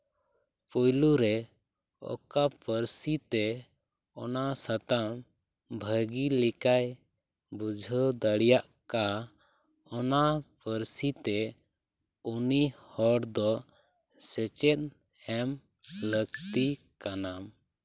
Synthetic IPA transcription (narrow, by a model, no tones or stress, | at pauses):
pɔjluɾɛ | ɔ̰kapəɾsit̪ɛ | ɔnasat̪am | bʱəɡilikaj | bud͡ʒʱəd̪əɽjaʔ | ka | ɔnapəɾsit̪ɛ | unihɔɽd̪ɔ | sɛt͡ʃɛt̪̚ | hɛm | ləɡt̪i | kanam